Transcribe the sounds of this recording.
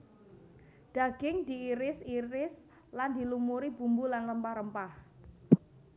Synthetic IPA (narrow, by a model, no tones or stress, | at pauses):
d̪̥a̤ɡ̥ɪŋd̪̥i̤iɾɪsiɾɪs | land̪i̤lumuɾib̥ṳmbulanləmpahɾəmpah